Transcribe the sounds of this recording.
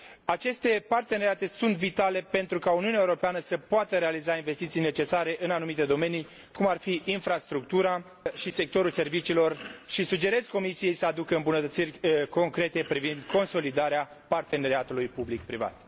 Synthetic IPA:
at͡ʃe̞st̪e̞part̪eneɾeat̪e̞sunt̪vit̪ale̞pe̞nt̪ɾukauniunjaeuɾo̞peanəsəpoat̪əɾe̞alizainvest̪it̪sijne̞t͡ʃe̞saɾe̞ʔɨnanumit̪e̞d̪o̞me̞nij | kumarfiʔinfɾast̪ɾuk̚t̪uɾa | ʃise̞k̚t̪o̞ɾulse̞rvit͡ʃiːlo̞rʃisud͡ʒe̞ɾe̞zko̞misije̞jsəad̪ukəɨmbunət̪ət̪sirʲko̞ŋkɾe̞t̪e̞pɾivind̪ko̞nso̞lid̪aɾea | part̪e̞ne̞ɾiat̪ulujpublik̚pɾiva̰t̪

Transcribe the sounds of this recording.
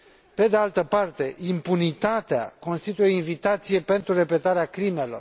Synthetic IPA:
pe̞d̪e̞alt̪əpart̪e̞ʔimpunit̪at̪ea̰ko̞nst̪it̪uje̞invit̪at̪sije̞pe̞nt̪ɾure̞pe̞t̪aɾeakɾime̞lo̞̰r

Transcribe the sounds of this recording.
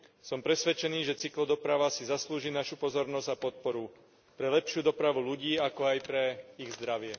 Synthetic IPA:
sɔmpɾɛsʋɛt͡ʃɛniːʒɛt͡siklɔd̪ɔpɾaʋasizasluːʒiːnaʃupɔzɔɾnɔzɟapɔt̪̚pɔɾu | pɾɛlɛpʃɪuːd̪ɔpɾaʋuluɟiːakɔajpɾɛiɣzd̪ɾaʋɪɛ

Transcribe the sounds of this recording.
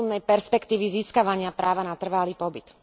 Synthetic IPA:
umnɛjpɛɾspɛkt̪iːʋiziːskaʋaɲɪapɾaːʋanat̪r̩ʋalipɔbit̪

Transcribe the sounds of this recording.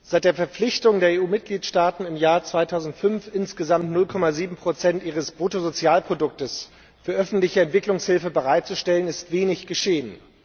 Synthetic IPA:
z̥aɪt̚d̥eːɐfɛɐp͡flɪçtʊŋdeːɐeːuːmɪt̚ɡ̥liːtʃtaːtn̩ɪmjaːɐt͡sv̥aɪtʰaʊzn̩tfʏnfʔɪnsɡ̥əzamtnʊlkʰɔmaziːbm̩pʁ̥ot͡sɛntʔiːʁ̞əsb̥ʁotozot͡sjaːlpʁ̥odʊk̚təs | fyːɐʔœfn̩tlɪçəɛntv̥ɪklʊŋshɪlfəbəʁaɪt̚t͡suʃtɛlənɪstv̥eːnɪçɡ̥əʃeːən

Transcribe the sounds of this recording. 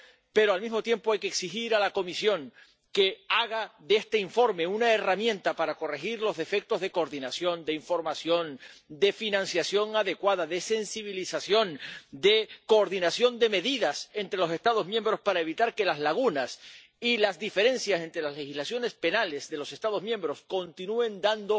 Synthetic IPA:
pe̞ɾoalmizmo̞t̪je̞mpo̞ajkeksixiɾalako̞misjo̞ŋ | ke̞aɣaðeest̪e̞iɱfo̞ɾme̞unaeramjẽ̞nt̪apaɾako̞re̞xiɾlo̞zðe̞fe̞k̚t̪o̞zðe̞koːɾðinasjo̞nd̪e̞iɱfo̞ɾmasjo̞nd̪e̞finãnsjasjo̞ŋaðe̞kwaðaðe̞se̞nsiβ̞ilisasjo̞nd̪e̞ko̞ːɾðinasjo̞nd̪e̞me̞ðiðase̞nt̪ɾe̞lo̞se̞st̪aðo̞zmjẽmbɾo̞spaɾae̞βit̪aɾke̞lazlaɣ̞unas | ilazðife̞ɾẽ̞nsjase̞nt̪ɾelazle̞xizlasjone̞spe̞nale̞zðe̞lo̞se̞st̪að̞o̞zmjẽ̞mbɾo̞sko̞nt̪inue̞nd̪and̪o

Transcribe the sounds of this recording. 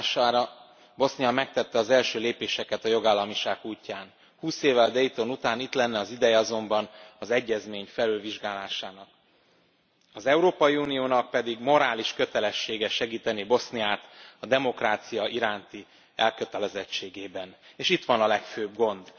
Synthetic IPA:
ʃaːɾɒ | bo̞sniɒmɛk̚t̪ɛt̪ːɛɒzɛlʃøːleːpeːʃɛkɛt̪ɒjo̞ɡaːlːɒmiʃaːɡuːcːaːn | huːseːvɛld̪ɛjt̪o̞nut̪aːnit̪lɛnːɛɒzid̪ɛjɛɒzo̞mbɒnɒzɛɟːɛzmeːɲfɛlylviʒɡaːlaːʃaːnɒk | ɒzɛuɾoːpɒjiuːnijoːnɒk̚pɛd̪iɡmo̞ɾaːliʃkøt̪ɛlɛʃːeːɡɛʃɛɡiːt̪ɛnibo̞snijaːt̪ɒd̪ɛmo̞kraːt̪sijɒʔiɾaːnt̪i | ɛlkø̞t̪ɛlɛzɛt͡ʃːeːɡeːbɛneːʃit̪ʋɒnɒlɛkføːbɡo̞nd̪

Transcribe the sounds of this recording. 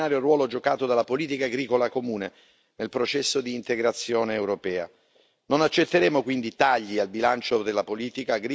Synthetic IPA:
aːɾjorwɔːlod͡ʒokaːt̪od̪alːapoliːt̪ikaːɡɾiːkolakomuːne | nelpɾot͡ʃɛsːod̪iːnt̪eɡɾat̪sːjɔːneːwɾopɛːa̰ | nonat͡ʃːet̪ːeɾeːmokwind̪it̪aʎːialbilant͡ʃod̪elːapoliːt̪ikaːɡɾiː

